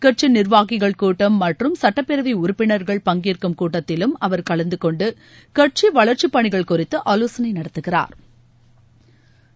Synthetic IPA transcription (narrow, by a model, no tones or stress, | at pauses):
kɐʈ̚t͡ʃinɪɾʋaːɣɪɣɐɭkuːʈːɐmːɐʈrɯmsɐʈːɐpːɪɾɐʋiʊɾʊpːɪnɐɾɣɐɭpɐŋɡiːrkɯmkuːʈːɐt̪ːɪlɯmɐʋɐɾkɐɭɐnd̪ɯkɔɳɖɯ | kɐʈ̚t͡ʃiʋɐɭɐɾt͡ʃipːɐɳɪɣɐɭkʊrɪt̪ːɯʔɐloːsɐnɐɪnɐɽɐt̪ːɯɣɪra̰ːɾ